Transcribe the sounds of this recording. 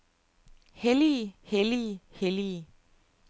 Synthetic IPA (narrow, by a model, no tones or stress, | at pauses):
heliheliheli